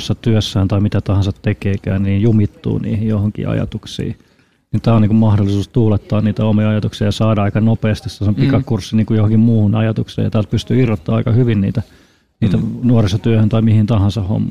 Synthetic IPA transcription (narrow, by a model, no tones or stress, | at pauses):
sːɑt̪yøsːæːnt̪ɑimit̪æt̪ɑhɑ̃nsɑt̪tekeːkæ̰ːnniːjjumit̪ːṵːnḭːhijjohoŋkḭɑ̰jɑ̰t̪uksḭː | nit̪æːoniːŋkummɑhdolisuːst̪uːlet̪ːɑːnniːt̪æomiɑɑjɑt̪uksiɑjɑsɑːdɑɑikɑnopeːst̪isɑsompikɑkursːiniːŋkujohoŋkimmuːhunɑjɑt̪uksḛjɑ̰t̪æːlt̪̚pyst̪yirːot̪ːɑːɑikɑhyʋinnḭːt̪æ | niːt̪ænuoresːɑt̪yøhønt̪ɑimihint̪ɑhɑ̃nsɑho̰mː